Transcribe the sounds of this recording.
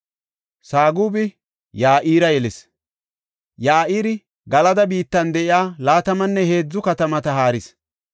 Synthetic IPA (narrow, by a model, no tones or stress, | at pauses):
saːɡuːbɪ | jaːʔiːɾɐjɛlɪs | jaːʔiːɾɪ | ɡɐlɐd̪ɐbiːt̪ːɐnd̪ɛʔɪjaːlaːt̪ɐmɐnːɛhe̞ːd͡zːʊkɐt̪ɐmɐt̪ɐɦaːɾɪs